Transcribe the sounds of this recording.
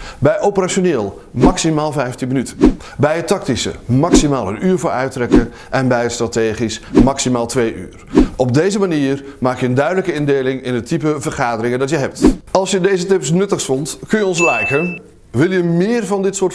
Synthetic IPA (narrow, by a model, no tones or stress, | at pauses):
bɛjʔowpəraʃonɪːlˠ | mɑksimaːlˠvɛjftinmənytə | bɛjətɑk̚tisə̰mɑksimaːlˠənyːɹvʊːɹœ̰ɥtrɛkə | ʔɛnbɛjətstrateːχismaksimaːlˠtʋejʔy̰ːrɔb̚dejzəmaniːərmaːkjəəndœɥdələkəɪndeːlɪŋɪnətʰip̬əvərχaːdərɪŋəndɑtjəɦɛp̚tɑlˠsjədeːzətɪpsnɵtəxsfɔntkɵnjəɔnslɛjkə | ʋɪlˠjəmɪːrvɑndɪtsʊː